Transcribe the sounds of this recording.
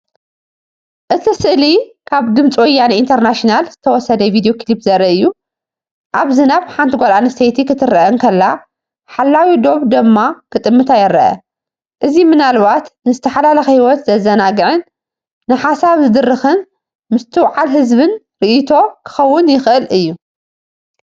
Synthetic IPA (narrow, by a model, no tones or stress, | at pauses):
ʔɨt̪ʰisɨʔlikʰaβd̪ɨmt͡sʼwɔjːanint̪ʰɐɾnaʃinalzɨt̪ʰɐwɔsɐd̪ɐvid̪ijokʰlipzɐɾɐʔɨjːu | ʔaβzinaβħant̪ʰiɡʷolanist̪ʰejt̪ʰikʰɨt̪ʰɨɾɐʔɐŋkʰɐlːa | ħalːawid̪o̞βd̪ɨmːakʰɨt̪ʼɨmːɨt̪ʰajɪɾɐ̰ʔɐ̰ | ʔɨzimɨnalβat̪nɨzɨt̪ʰɐħalalɐxhiwɔt̪zɐzɐnaɡɨʕɨnː | ɨħasaβzɨd̪ɨrːɨxɨn | mɨst̪ʰɨwʕalɦɨzβɨn | ɾɨʔit̪ʰo̞kʰɨ̥xɐwːʊnjɪxʔɨlʔɨjːu